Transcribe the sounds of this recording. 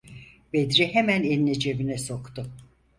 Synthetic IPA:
b̥ed̪ɾihemæneninɛd͡ʒe̞vinɛsokt̪ʊ

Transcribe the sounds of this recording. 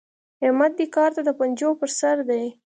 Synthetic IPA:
hɪmat̪̚d̪ikɑɾt̪ad̪əpand͡ʒopəɾsaɾd̪aj

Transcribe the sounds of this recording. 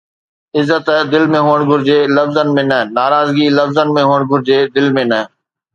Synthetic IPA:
ɪzːət̪d̪ɪlmẽɦuːəɽ̃ɡʱʊɾɪd͡ʑeːlɐfzənɪ̆mẽnɐɦɪ̃naːɾaːzɡilɐfzənɪmẽɦuːəɽ̃ɡʱʊɾɪd͡ʑeːd̪ɪlmẽnɐɦ

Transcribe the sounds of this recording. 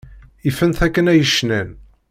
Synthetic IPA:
ifənθækːənæjəʃːnæn

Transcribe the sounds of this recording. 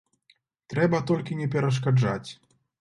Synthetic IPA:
t̪ɾɛbɐt̪ɔlʲkʲinʲɛpʲɛɾɐʂ̬kad͡ʐat͡sʲ

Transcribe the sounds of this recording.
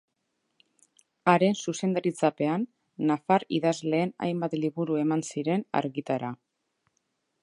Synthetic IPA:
aɾe̞nsuse̞nd̪aɾit͡sape̞anː | afaɾḭðazle̞ːna̰jmbat̪liβuɾue̞mansiɾe̞na̰ɾɣit̪aɾa

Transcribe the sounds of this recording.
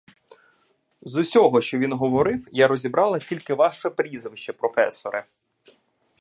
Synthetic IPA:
zʊsʲɔɦɔʃt͡ʃɔʋʲinɦɔʋɔɾɪwjaɾɔzʲibɾɑlˠɐtʲilʲkɪʋɑʃɛpɾʲizʋɪʃt͡ʃɛpɾɔfɛ̰sɔɾɪ̰

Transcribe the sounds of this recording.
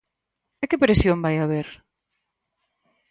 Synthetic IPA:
ekɪpɾesjombajaβeɾ

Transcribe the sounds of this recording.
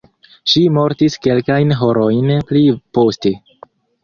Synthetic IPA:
ʃimo̞ɾtiske̞lkajnɦo̞ɾojnplipo̞ste̞

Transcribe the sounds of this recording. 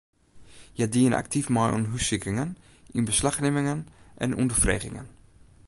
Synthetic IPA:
jədiəna̰k̚tʰifmɔjʔṵmɦysɪkɾɪŋən | ʔinbəslaxnɪmɪŋənʔɛ̰nundəfrḛːɣɪ̰ŋə̰n

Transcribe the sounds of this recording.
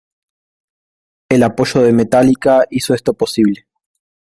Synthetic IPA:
elapo̞ʃo̞ðe̞me̞t̪alikaiso̞e̞st̪opo̞siβle

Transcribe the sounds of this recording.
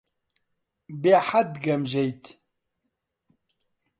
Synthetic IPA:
beħad̪ɡɐmʒɛjt̪

